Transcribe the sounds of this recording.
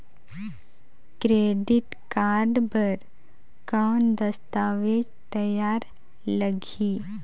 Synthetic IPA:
kɾeːɖɪʈ | kaːɾɖpəɾ | kaːnd̪əst̪aːʋeːd͡ʒt̪əjaːɾ | ləɡʱ | iː

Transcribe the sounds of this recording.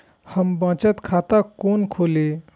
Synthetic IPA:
həmbãːt͡ʃət̪kʰaːt̪akoːnkʰoːle

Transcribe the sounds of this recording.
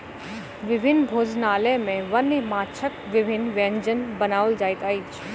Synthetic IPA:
ʋɪbʱɪnːbʱoːd͡ʒnaːlɛmẽʋɐnmaːt͡ʃʰəkʋɪbʱɪnʋẽɲd͡ʒənbɐnaːʊld͡ʒaːjt̪aːit͡ʃʰ

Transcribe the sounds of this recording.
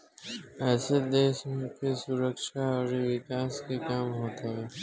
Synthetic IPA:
ɛːsed̪eːʃmẽpesʊɾəkʃaɔɾeʋɪkaːskekaːmɦoːt̪aɦɛː

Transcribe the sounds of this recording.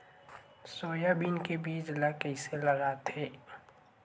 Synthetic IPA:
soːjabiːnkebiːd͡ʒlakɛɪselɐɡat̪eː

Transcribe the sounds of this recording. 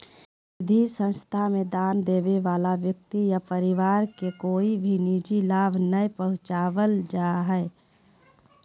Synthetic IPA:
sɪd̪ʱisə̃nst̪ʰamẽd̪aːnd̪eːʋeʋaːlaʋjək̚t̪ijapəɾɪʋaːɾkekoːibʱinid͡ʒilaːbʱnəipəɦʊ̃t͡ʃaːʋəld͡ʒaːɦɛː

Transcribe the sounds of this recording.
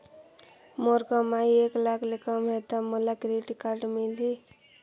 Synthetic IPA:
moɾkɔmaieklakʰlekəmɦet̪amɔlakɾeʈikaɾɖmili

